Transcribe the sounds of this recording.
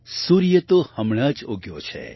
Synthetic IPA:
suɾjət̪ohəmɳ̃əd͡ʒoɡjo̰t͡ʃʰḛ

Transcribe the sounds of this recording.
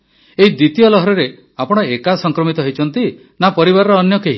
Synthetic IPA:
eɦid̪it̪ijɔlɔɦɔɾɔɾe | apɔɽ̃ɔekasɔŋkɾɔmit̪ɔɦojt͡ʃʰɔnt̪i | napɔɾiβaɾɔɾɔːnjɔkeɦi

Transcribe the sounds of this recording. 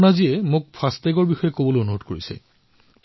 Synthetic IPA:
naziɛmʊk̚pʰastɛɡɔɹbixɔjɛkobolojonuɦodkoɹisɛ̰

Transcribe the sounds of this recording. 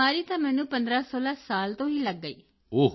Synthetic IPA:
aːɾiːt̪ãːmɛ̃ːnũːpənd̪ɾaːsoːlaːsaːlt̪õːɦiːləɡːəḭː | oː

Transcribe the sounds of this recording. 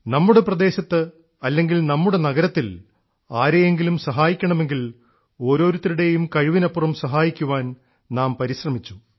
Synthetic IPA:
nɐmːuɽe̞prɐd̪e̞ːɕɐt̪ːɨ | ɐlːe̞ŋɡilnɐmːuɽe̞nɐɣɐɾɐt̪ːil | aːɾejeŋɡilumsɐɦaːjikʲːɐɳɐme̞ŋɡil | o̞ːɾo̞ːɾut̪ːɐɾuɽe̞jumkɐɻiʋinɐpːurɐmsɐɦaːjikʲːuʋaːn | naːmpɐɾiɕrɐmit͡ɕːu̥

